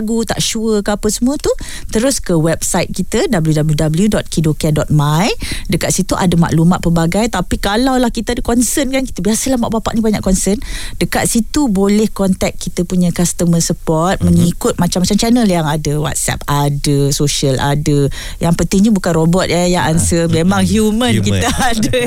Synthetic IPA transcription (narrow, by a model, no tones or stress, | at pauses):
ɡut̪a̰ʔʃuəkəapəsəmũət̪u | t̪əɾʊskəwɛb̚sajt̪̚kit̪ədabəljudabəljudabəljudɔt̪̚kidokadɔt̪̚majdəkat̪̚sit̪uʔa̰dəma̰ʔlumat̪̚pəbaɡajt̪apikalawlahkit̪əadəkɔnsənkanki̥t̪əbiasəlahmaʔbapa̰ʔnĩbaɲaʔkɔnsəndəkat̪̚sit̪ubolɛhkɔnt̪ɛk̚kit̪əpuɲakast̪əməsəpɔrt̪̚məŋikʊt̪̚mat͡ʃamat͡ʃamt͡ʃɛnəljaŋadəwa̰t̪̚sɛ̰p̚adəsoʃiəlʔa̰də | jaŋpənt̪ɪŋɲəbukanrobɔt̪̚jajaʔansəmemãŋhjumə̃nkit̪əadə